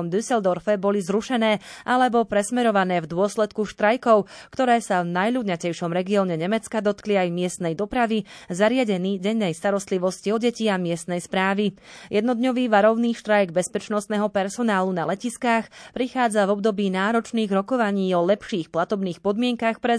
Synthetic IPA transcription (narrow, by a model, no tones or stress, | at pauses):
ɔmd̪ysɛld̪ɔɾfɛbɔlizɾuʃɛnɛːʔalɛbɔpɾɛsmɛɾɔʋanɛːvd̪ʊɔslɛt̪kuʃt̪ɾajkɔʊkt̪ɔɾɛːsavnajʎudɲacɛjʃɔmɾɛɡiɔːɲɛɲɛmɛt͡skad̪ɔt̪kliajmɪɛst̪nɛjd̪ɔpɾaʋizaɾɪaɟɛniːɟɛɲːɛjst̪aɾɔst̪liʋɔsciɔɟɛciamɪɛst̪nɛjspɾaːʋijɛd̪nɔd̪ɲɔʋiːʋaɾɔʊniːʃt̪ɾajɡbɛspɛt͡ʃnɔst̪nɛːɦɔpɛɾsɔnaːlunalɛciskaxpɾixaːd͡zavɔb̚d̪ɔbiːnaːɾɔt͡ʃniːɣɾɔkɔʋaɲiːɔlɛpʃiːxplat̪ɔbniːxpɔd̪mɪɛŋkaxpɾɛ